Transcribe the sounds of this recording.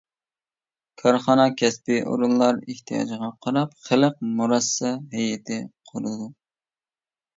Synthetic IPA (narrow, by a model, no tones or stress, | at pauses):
kʰɑɾχɑnɑkʲʰɛspɪʔo̰ɾunlˠɑɾɪht̪ʰijɑ̰d͡ʒʁɑqʰɑɾɑp̚χəlˠəq̚muɾɑsːɛɦɛjɛt̪ʰɪqʰoɾɨd̪u